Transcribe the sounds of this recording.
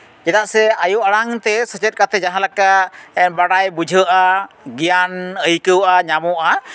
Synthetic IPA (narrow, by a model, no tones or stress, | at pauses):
d͡ʒɛd̪aʔsɛajuʔaɽaŋt̪ɛsət͡ʃɛt̪̚kat̪ʰɛd͡ʒaɦãlakaɛnbaɽajbud͡ʒʱəʔa | ɡijanəikəwʔaɲamɔʔa